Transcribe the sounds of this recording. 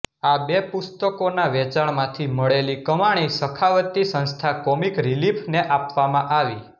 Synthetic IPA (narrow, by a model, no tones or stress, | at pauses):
abepʊst̪əkonaʋɛt͡ʃaɳ̃mãt̪ʰiməɭelikəmaɽ̃isəkʰaʋət̪isə̃nst̪ʰakɔmikɾilipʰneʔapʋamãʔaʋi